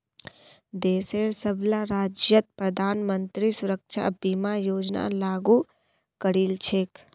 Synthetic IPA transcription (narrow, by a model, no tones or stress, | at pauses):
d̪eːseːɾsəblaɾaːd͡ʒjət̪̚pɾɐd̪ʱaːnmənt̪ɾisʊɾəkʃʰa̰biːmajoːd͡ʒna̰laːɡu | kəɾiːlt͡ʃʰeːk